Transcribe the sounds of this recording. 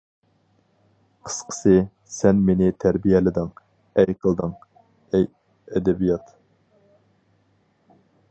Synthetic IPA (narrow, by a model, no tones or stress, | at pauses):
qʰə̥sqʰə̥sɨ | sɛnmenɪt̪ʰæɾbijɛlɪd̪ɪŋ | ɛjqʰəlˠd̪ɨŋ | ɛj | ɛd̪ɛbijɑt̪